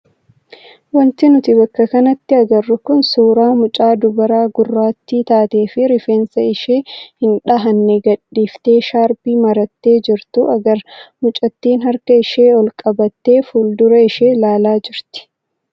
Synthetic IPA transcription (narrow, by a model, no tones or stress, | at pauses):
wɐnt̪ɪnʊt̪ɪbɐkːɐkɐnɐt̪ːɪɐɡɐrːʊkʊnsuːɾaːmʊt͡ʃʼaːd̪ʊbɐɾaːɡʊrːaːt̪ːiːt̪aːt̪e̞ːfɪɾɪfe̞ːnsɐɪʃeːhɪnᶑɐɦɐnːɛɡɐᶑːiːft̪e̞ːʃaːɾbiːmɐɾɐt̪ːe̞ːd͡ʒɪɾt̪ʊɐɡɐɾmʊt͡ʃʼɐt̪ːiːnhɐɾkɐɪʃeːɔlkʼɐbɐt̪ːe̞ːfuːld̪ʊɾɐɪʃe̞ːlaːlaːd͡ʒɪɾt̪ɪ̥